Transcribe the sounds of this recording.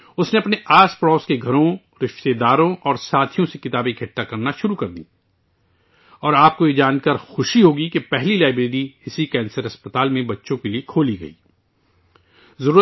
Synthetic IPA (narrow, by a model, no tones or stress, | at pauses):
ʊsneɐpneʔaːspɽɔːskeɡʱɐɾõ | ɾɪʃt̪ed̪aːɾõʔɔːɾsaːt̪ʰijõsekɪt̪aːbẽkʰɪʈːakɐɾnaʃʊɾukɐɾd̪ḭː | ɔːɾaːp̚kojed͡ʒaːnkəɾxʊʃiɦoːɡikepɛɦlilaːɪbɾeːɾiɪsikɛ̃ːnsəɾɐspɐt̪aːlmẽbɐtːʃõkeliekʰoːliɡɐ̰ḭː | zɐɾuː